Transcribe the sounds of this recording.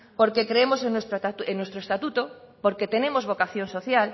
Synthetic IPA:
po̞ɾke̞kɾeemo̞senwest̪ɾoaenwest̪ɾoest̪at̪ut̪o̞ | po̞ɾke̞t̪e̞nẽ̞mo̞zβo̞kaθjo̞nso̞θjal

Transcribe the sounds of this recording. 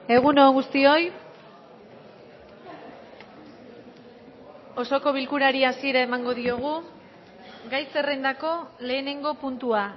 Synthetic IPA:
e̞ɣ̞unoːŋɡust̪io̞j | o̞so̞ko̞βilkuɾaɾiasie̞ɾae̞maŋɡo̞ðio̞ɣ̞u | ɡajse̞re̞nd̪ako̞le̞ːne̞ŋɡo̞punt̪ua

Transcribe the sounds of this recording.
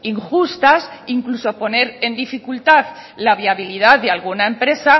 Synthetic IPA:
iŋxust̪asiŋklusopo̞ne̞ɾe̞nd̪ifikult̪aðlaβ̞iaβilið̞aððealɣunaempɾe̞sa

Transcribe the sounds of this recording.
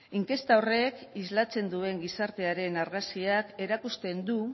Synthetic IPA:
iŋke̞st̪ao̞re̞kizlat͡se̞nd̪ue̞ŋɡisaɾt̪e̞aɾe̞naɾɣasiake̞ɾakust̪e̞nd̪u

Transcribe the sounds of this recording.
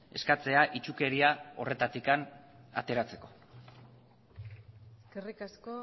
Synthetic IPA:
e̞skat͡se̞aʔit͡ʃuke̞ɾiao̞re̞t̪at̪ikana̰t̪e̞ɾat͡se̞ko̞ | eskerikasko

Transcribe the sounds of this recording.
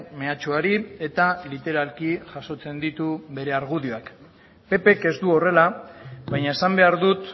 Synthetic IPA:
me̞at͡ʃuaɾie̞t̪alit̪e̞ɾalkiʝaso̞t͡se̞nd̪it̪uβe̞ɾe̞aɾɣuðioak | pe̞pe̞ke̞zd̪uo̞re̞laβajɲae̞sambe̞aɾðut̪

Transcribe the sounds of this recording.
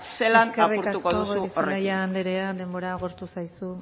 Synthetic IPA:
selasnkeariuɾkat̪ukoosuisajaːnd̪eɾead̪e̞mbo̞ɾaːɣoɾt̪usajsu

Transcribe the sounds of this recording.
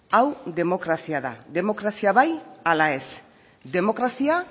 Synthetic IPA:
awðe̞mo̞kɾasiaða̰ðe̞mo̞kɾasiaβajalae̞s | d̪e̞mo̞kɾasia

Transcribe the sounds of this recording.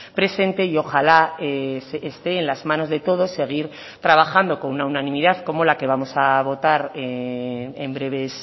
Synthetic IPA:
pɾe̞se̞nt̪e̞io̞xalaeseːst̪e̞ːnlazmãno̞zðe̞t̪o̞ð̞o̞se̞ɣ̞iɾ | t̪ɾaβ̞axand̪o̞ko̞nunaunãnĩmiðaðko̞mo̞lake̞β̞amo̞saβo̞t̪aɾe | embɾe̞β̞e̞s

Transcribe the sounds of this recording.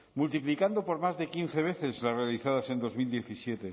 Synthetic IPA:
mult̪iplikand̪opo̞ɾmazðe̞kin̟θe̞β̞e̞θe̞zlare̞aliθaðase̞nd̪o̞zmild̪je̞θisjet̪e̞

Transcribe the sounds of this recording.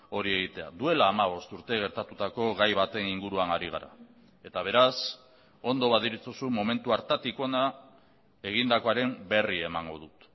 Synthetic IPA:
o̞ɾie̞ɣ̞it̪e̞a̰ðue̞laːmaβ̞o̞st̪uɾt̪e̞ɣ̞e̞ɾt̪at̪ut̪ako̞ɣajβat̪e̞niŋɡuɾuanaɾiɣ̞aɾa̰ | e̞t̪aβ̞e̞ɾas | o̞nd̪o̞β̞aðiɾit͡susumome̞nt̪uaɾt̪at̪ikoo̞na | e̞ɣ̞ind̪ako̞aɾe̞mbe̞rie̞maŋɡo̞̰ðut̪

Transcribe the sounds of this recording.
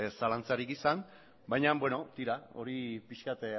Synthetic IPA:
salant͡saɾikisan | bajɲambwe̞no̞t̪iɾao̞̰ɾipiʃkat̪

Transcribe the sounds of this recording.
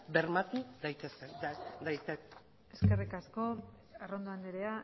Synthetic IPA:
beɾmat̪ud̪ajt̪esed̪ajt̪e | e̞ske̞rikasko̞ | arond̪oand̪eɾea

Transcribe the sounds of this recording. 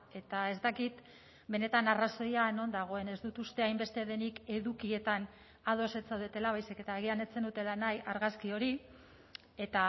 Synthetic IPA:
e̞t̪ae̞zt̪akit̪ | be̞ne̞t̪anaraso̞jano̞nd̪aɣ̞o̞e̞ne̞zd̪ut̪ust̪e̞ajmbe̞st̪e̞ðe̞nike̞ðukie̞t̪an | að̞o̞se̞t͡sawðet̪e̞laβajsike̞t̪aeɣ̞ianet͡se̞nd̪ut̪elanajaɾɣaskio̞ɾi | e̞t̪a

